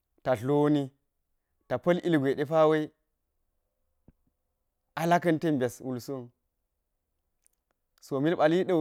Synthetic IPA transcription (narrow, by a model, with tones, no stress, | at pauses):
ta˨ɬo˦ni˦ | ta˨pɐ˦li˦lɡʷe˨ɗe˦pa˦we˦i˦ | a˦la˦kɐ˦nte˦mbʲe˨swu˨lsu˦˨n | so˨mi˦lɓa˨li˦ɗa˦